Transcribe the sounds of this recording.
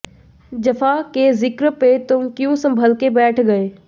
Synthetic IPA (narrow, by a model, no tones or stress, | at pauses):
d͡ʒɐfʰakezɪkɾpet̪ʊmkjũsə̃mbʱəlkebɛːʈʰɡɐeː